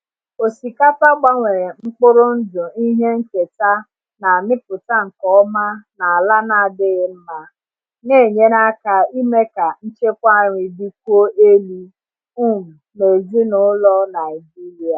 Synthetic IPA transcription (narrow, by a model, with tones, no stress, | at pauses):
o˨si˨ka˦pa˦ɡ͡ba˦ŋʷe˨ɾe˨ŋ͡m̩˦k͡pʊ˦ɾʊ˦n̩˦dʊ˨i˦ɦe˦ŋ̩˦ke˨ta˦ | na˨a˨mɪ˦pʊ˨ta˦ŋ̩˨kɔ˦ma˦na˨a˨la˦na˨dɪ˦ɣɪ˦m̩˦ma˦ | ŋe˦˨ɲe˦na˦ka˨i˦me˦ka˨n̩˦t͡ʃe˦kʷa˦˨ɲi˨bi˦k̚ʷu˦o˦ʔe˦li˦ | u˦˨m̩˨me˨zi˦nʊ˨˦lɔ˦na˨ɪ˨d͡ʒi˦li˨a˨